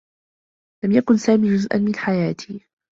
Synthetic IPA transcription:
lamjakʊnsaːmiːd͡ʒʊzʔa̰nmɪnħajaːt̪ʰiː

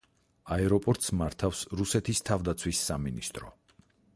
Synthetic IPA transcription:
aɛɾɔpʼɔɾt̪ʼsmaɾt̪ʰafsɾusɛt̪ʰist̪ʰavd̪at̪sʰwisːaminist̪ʼɾɔ

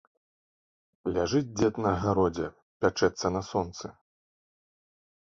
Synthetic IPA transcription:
lʲaʐɨd͡zʲd͡zʲɛt̪nɐɐɣaɾɔd͡zʲɛ | pʲat͡ʂɛt̪sːɐnɐsɔnt̪sɨ

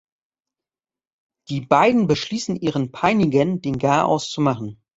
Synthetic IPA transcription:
d̥iːbaɪdn̩bəʃliːsn̩ʔiːʁənpʰaɪnɪɡəndeːnɡaːʔa̰ʊst͡sumaχn̩

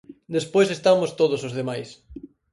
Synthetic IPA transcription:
d̪espojsest̪amʊst̪oð̞ʊsozðemajs

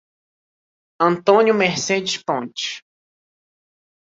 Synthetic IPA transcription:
ɐ̃nt̪õnjʊmeɾsed͡ʒɪspõnt͡ʃi̥

